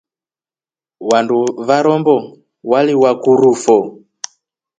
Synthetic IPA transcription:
wanduvaɾɔmbɔ | waliwakuɾufɔ

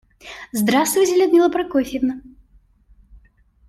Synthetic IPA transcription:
zd̪ɾast̪vɨt͡sʲelʲɛd̪mʲilˠɐpɾɐkɔfʲivnɐ

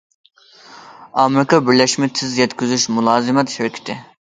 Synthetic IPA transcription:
ɑmɾɪkɑbiɾlɛʃmɛt̪ʰɪzjɛt̪kʲʰyzyʃmulˠɑːzɪmɛt̪ʃɪɾkʲʰi̥t̪ʰɪ

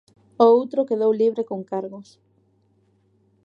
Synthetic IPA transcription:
oowt̪ɾokeðowliβɾekoŋkaɾɣos

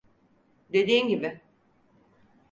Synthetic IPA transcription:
d̪e̞d̪iːmɟibɪ

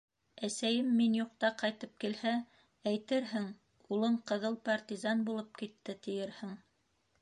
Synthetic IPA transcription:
æsæjɘmːinjuq̚t̪ɑqɑjt̪ɤp̚kilhæ | æjt̪ɘɾɦɘŋ | ulˠɤɴqɤ̆ðɤlˠpart̪ʲizɑnbulˠɤp̚kit̪ːɘt̪ɘ̆jɘɾhɘŋ

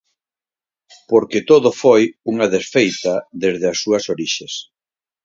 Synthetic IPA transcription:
poɾket̪oðofojuŋaðesfejt̪aðezðɪasːuɐsoɾiʃes

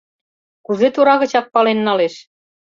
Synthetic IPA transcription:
kuzet̪uɾɑɣə̆t͡ɕɑk̚pɑlenːɑleʃ

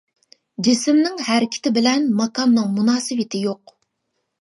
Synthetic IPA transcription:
d͡ʒisɪmnɪŋhæɾɪkʲʰɪ̥t̪ʰɪbɪlɛnmɑkʰɑnːɨŋmunɑːsɨvɪt̪ʰɪjoq

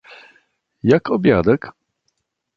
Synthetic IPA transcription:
jakʰɔbʲjad̪ɛk

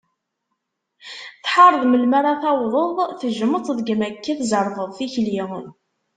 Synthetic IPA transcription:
θħɑɾˤðˤməlmaɾˤaθɑwðˤəðˤθəʒəmət̪ˤðɡmækːæθzəɾˤvˤəðˤθiçli

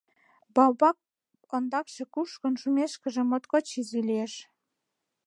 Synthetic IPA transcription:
bɑwbɑk̚ | ond̪ɑkʃĕkuʃkonʃumeʃkə̆ʒĕmot̪kot͡ɕizilieʃ

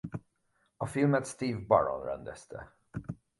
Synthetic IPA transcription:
əfɪlmɛt̪st̪iːvba̰ɹɔ̰̃nɾa̰nd̪ɛst̪ʰə̰

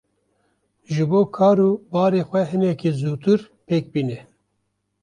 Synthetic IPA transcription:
ʒɨboːkʰɑːɾuːbɑːɾeːxʷɛɦɨnɛkizuːt̪ɨɾ | peːk̚biːnɛ

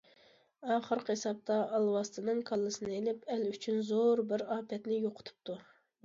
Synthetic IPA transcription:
ɑːχəɾqesɑp̚t̪ɑʔɑlˠwɑst̪ʰɨnɨŋkʰɑlˠːɨsɨnɨelɪpɛlyt͡ʃʰynzoɾbɪɾɑːpʰɛt̪nɪjoqʰʊ̥t̪ʰu̥p̚t̪ʰu

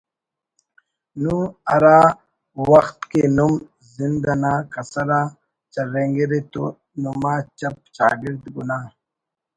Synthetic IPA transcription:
nuɐɾaː | wɐxt̪kenum | zind̪ɐnaːkɐsɐɾaː | t͡ʃɐɾeːŋɡeɾet̪o | numaːt͡ʃɐp̚ɕa̰ːɡiɾd̪ɡunaː

